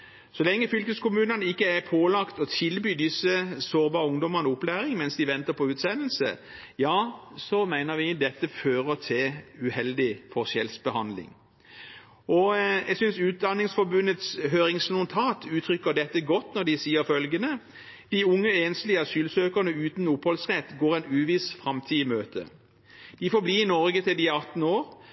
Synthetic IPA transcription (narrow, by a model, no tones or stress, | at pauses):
sɔlɛŋːəfʏlkəskʊmʉːnənəɪkːəæpʰoːlɑkt̪ɔt̪ʰɪlbyːd̪ɪsːəsoːɾbɑːʁəʊŋd̪ɔməʁnəʊplæːɾɪŋmɛnsd̪ɪʋɛnt̪əʁpʰɔʉːt̪sɛnl̩sə̰ | jɑːsɔmæɪnəɾʋɪd̪ɛt̪ːəføːɾət̪ʰɪʉhɛld̪ɪfɔsɛlsbəhɑnd̪lɪ̰ŋ | ʔɔjɛɡsʏnsʉːt̪̚d̪ɑnɪŋsfɔbʉnət̪sɦøːɾɪŋsnʊnt̪ʰɑːt̪ʰʉːt̪ʰɾʏkːəd̪ɛt̪ːəɡɔt̪ːnɔd̪ɪsiːəɾfœlɡənə | d̪̥ɪʊŋːəeːnslɪəɑsyːlsøːkəʁnəʉːt̪n̩ʊphɔlsʁɛt̪ːɡoːɾɛnʉːʋɪsfʁɑmt̪ʰiːmøːt̪ʰə̰ | d̪̥ɪfoːbliːɪnɔɾɡət̪ʰɪld̪ɪɑt̪n̩oːʁ